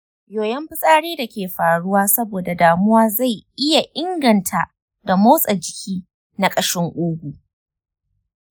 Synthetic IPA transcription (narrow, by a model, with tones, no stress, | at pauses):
joː˨jɐ˦mɸɪ˦sʼaː˦ɽeː˦da˨kʲeː˨ɸaː˨ɽʊ˦waː˦sɐ˦boː˨da˨daː˨mʊ˦waː˦za˦˨jʔɪ˦ja˨ʔɪ˦ŋɡɐ˨ntʰa˦˨ | da˨mo˦sʼɐ˨d͡ʒɪ˨kʲiː˦ | na˦kʼɐ˦ʃɪ˦ŋʔʊː˦ɡʷu˨ʔ